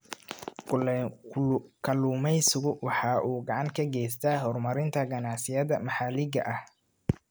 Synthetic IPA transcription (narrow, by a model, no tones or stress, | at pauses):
kʊ | kʰɐluːmɛjsʊɣʊwɑħɑːʔuːɡɑʕɑŋkʰɐɡɛjst̪ʰaːɦɔrmɐɾɪnt̪ʰɐɡɐnɑʕsɪjɐðɐmɑħɑːlɪɡɐ̰ʔɐh